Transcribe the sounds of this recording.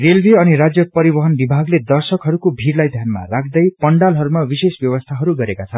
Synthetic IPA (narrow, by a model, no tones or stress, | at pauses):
relbʱeʌniɾad͡zjʌpʌɾibʌɦʌnbibʱaɡled̪ʌrsʌkɦʌɾukobʱirlajd̪ʱjanma̰rak̚ʰd̪ʌjpʌɳɖalɦʌɾumabisesbjʌwʌst̪ʰaɦʌɾuɡʌɾekat͡sʰʌn